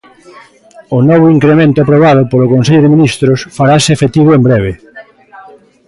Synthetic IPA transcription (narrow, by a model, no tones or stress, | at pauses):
ʊnɔβ̞ʊiŋkɾemẽnt̪ʊapɾoβaðʊpolʊkonseʎʊðɪmĩnist̪ɾʊsfaɾasɪefet̪iβ̞ʊembɾeβe